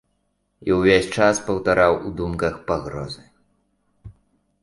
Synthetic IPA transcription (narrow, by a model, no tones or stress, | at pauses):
iwvʲesʲt͡ʂaspɐwt̪aɾawud̪umkɐxpaɣɾɔ̰zɨ